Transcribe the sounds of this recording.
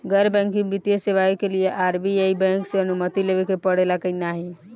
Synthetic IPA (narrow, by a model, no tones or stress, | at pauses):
ɡəɾbɛ̃ŋkibit̪jeseʋaikelijeʔaɾbiejbɛ̃ŋkseənumət̪ilebekepəɽelakəinaɦi